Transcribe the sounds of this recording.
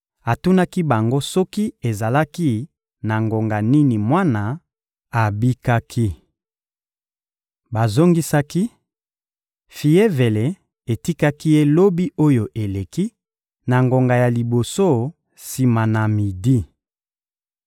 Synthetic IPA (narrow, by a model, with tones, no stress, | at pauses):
a˨tu˦na˦ki˦ba˨ŋɡo˦sɔ˦ki˦e˨za˨la˦ki˦ | na˨ŋɡo˨ŋɡa˨ni˦ni˨mwa˦na˨ | a˨bi˦ka˦kʰi˦ | ba˨zo˦ŋɡi˦sa˦ki˦ | fi˨e˦ve˨le˨˦ | e˨ti˦ka˦ki˦je˦lo˦bi˦ʔo˦jo˨ʔe˨le˨ki˦ | na˨ŋɡo˨ŋɡa˨ja˨li˨bo˨so˦ | si˨ma˨na˨mi˨di˦